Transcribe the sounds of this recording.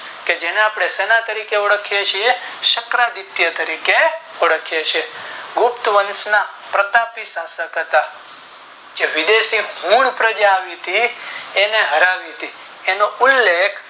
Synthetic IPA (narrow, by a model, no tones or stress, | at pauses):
ked͡ʒeneapɽ̃esenat̪əɾikeoɽəkʰjet͡ʃʰieʃəkɾad̪ɪt̪jət̪əɾikeoɽəkʰjet͡ʃʰeɡʊpt̪ʋənsna | pɾət̪apisãsəkɦət̪a | d͡ʒeʋɪd̪esiɦũɳpɾəd͡ʒaːʋiɦət̪ʰieneɦəɾaʋiɦət̪i | enoʊlːekʰ